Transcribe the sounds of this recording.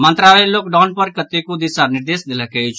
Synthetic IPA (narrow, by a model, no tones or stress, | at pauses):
mə̃nt̪ɾaʋeloːkɖɔːnpəɾkət̪ːekod̪ɪsanɪɾd̪eːsd̪ɪləket͡ʃʰ